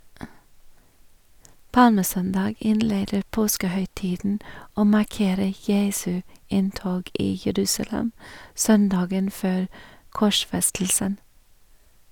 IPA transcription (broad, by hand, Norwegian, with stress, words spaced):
ˈpɑlməˌsœndɑːɡ ˈɪnˌleːdəɾ ˈpoːskəhœʏˌtiːdn̩ ˈoː mɑˈkeːɾə ˈjeːsʉ ˈɪnˌtoːɡ ˈiː jəˈɾʉːsɑˌlɛm ˈsœnˌdɑːɡən ˈføːɾ ˈkɔˌʃfɛstl̩sən